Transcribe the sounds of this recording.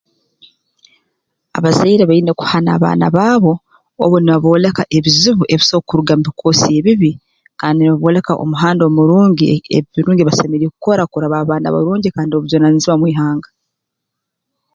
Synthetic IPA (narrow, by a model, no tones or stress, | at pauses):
a̰βazeiɾeβaiːne̞ku̥hana̰ːβa̰ːna̰βaːβo̞ | o̰βoniβaβo̞ːle̞kaʔe̞βiziβuʔe̞βisokuɾuɡamubikʰo̞ːsije̞βiβi | kaːndiniβaβoːle̞kaʔo̞̰muɦaːndo̞muɾuːɲɟiḛβiɾuːɲɟiβasemeɾiekuko̞ɾakuɾaβaːβaːna̰βa̰ɾuːɲɟikaːndioβujo̞naniziβamwiːɦaːŋɡa